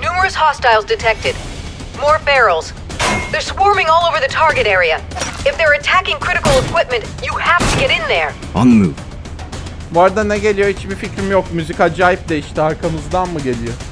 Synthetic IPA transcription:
numə˞ɨshɑstaɪlˠzdɨtʰɛk̚tɪd̚ | mɔɹbɛɹl̩ˠz̥ | ðə˞swɔɹmɪ̃ŋɔlˠoʊvə˞ðɨtʰɑɹɡɨɾɛɹiɨɨfðə˞ɨtʰækɪ̃ŋkʰɹ̥ɪɾɨkl̩ˠəkʰw̥ɪp̚mɨ̃ntɨhæftʰɨɡɛɾɪ̃nðə˞ | a̰nlɯ̰ | vaɾd̪anɛɟe̞lʲijo̞it͡ʃbificɾimjokmyzikad͡ʒaːjip̚d̪ɛiʃt̪ɛaɾkʰamɯzd̪anmɯɟelʲijo

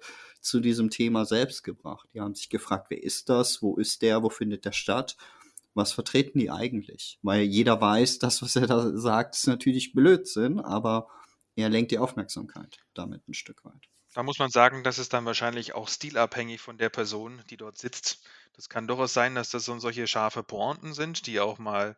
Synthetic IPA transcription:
t͡sudiːzəmtʰeːmazɛlpst̚ɡ̥əbʁa̰χt̚d̥iːhaːbm̩zɪçɡ̥əfʁ̥aːk̚tv̥ḛːɐʔɪst̚d̥asv̥oːʔɪst̚d̥eːɐvoːfɪndət̚d̥eːɐʃtat | vasfɛɐtʁ̥eːtn̩diːʔa̰ɪɡŋ̩tʰlɪ̰çvaɪljeːɾɐvaɪsd̥asv̥aseːɐdaːzaːk̚tɪ̥stnatʰyːɐlɪçb̥løːtz̥ɪnʔa̰ːbɐ | ʔeːɐlɛŋkt̚d̥iːʔaʊfmɛɐkz̥a̰ːmkʰa̰ɪtd̥a̰mɪ̰tn̩ʃtʏkv̥a̰ɪt | d̥aːmʊsmanzaːɡŋ̩dasɪstd̥anvaːɐʃaɪnlɪça̰ʊxstiːlaphɛŋɪçfɔndeːɐpʰɛɐzoːnd̥iːdɔɐtz̥ɪt͡std̥askʰandoaʊsz̥aɪndasd̥asz̥oːnzɔlçəʃaɐfəpʰoɔ̃ntn̩zɪntd̥iːaʊxmaːl

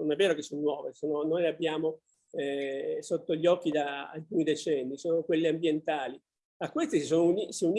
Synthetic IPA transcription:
nonɛvːeːɾokesːonːwɔːvesononːojleabːjaːmo | ɛsot̪ːoʎɔk̟ːid̪a̰ːlkuːnid̪et͡ʃɛnːisoːnokwelːeambjent̪aːli | akːwest̪isis̬oːnounisiun

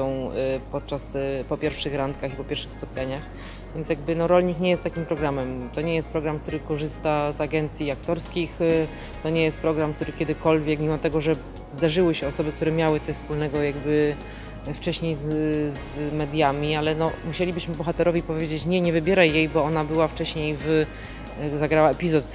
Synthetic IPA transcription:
ɔ̃w̃pɔt̪̚t͡ʂaspɔpʲjɛɾfʂɘxɾant̪kaxipɔpʲɛɾfʂɘxspɔt̪̚kaɲax | vʲjɛnt̪sjaɡ̚bɘnɔɾɔlɲikɲɛjɛst̪akʲimpɾɔɡɾamɛmt̪ɔɲɛjɛst̪̚pɾɔɡɾamk̚t̪uɾɘkɔʐɘst̪azaɡɛnt̪sʲjiakt̪ɔɾskʲix | t̪ɔɲɛjɛst̪̚pɾɔɡɾamkt̪uɾɘkʲɛd̪ɘkɔlvʲjɛkmʲimɔt̪ɛɡɔʐɛ | zd̪aʐɘwɘɕɛɔsɔbɘk̚t̪uɾɛmʲjawɘt̪sɔɕʲfspulnɛɡɔjaɡ̚bɘ | ft͡ʂɛɕɲejzzmɛd̪ʲjamʲialɛnɔmuɕelʲibɘɕmɘbɔxat̪ɛɾɔvʲipɔvʲjed͡ʑet͡ɕɲɛɲɛvɘbʲjɛɾajjejbɔɔnabɘwaft͡ʂɛɕɲejv | zaɡɾawaɛpʲizɔt̪

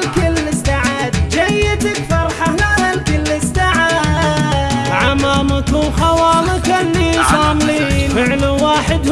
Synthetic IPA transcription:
lkʊlːɪsaːʕaːd̪d͡ʒajɪt̪ɪkfɑɾˤħaaalkʊlːɪsaːʕaː | ʕamaːmakuxɑwɑːlɪkalːisɑːmliːnfɪʕlwaːħɪd̪h

